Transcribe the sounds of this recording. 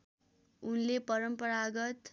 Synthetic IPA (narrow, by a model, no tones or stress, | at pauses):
unlepʌɾʌmpʌɾaɡʌt̪